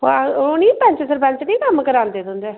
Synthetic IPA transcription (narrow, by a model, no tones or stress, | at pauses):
onĩːpɛ̃ɲt͡ʃsəɾpɛ̃ɲt͡ʃnĩːkəmkəɾãːnd̪eːd̪ʊnd̪eː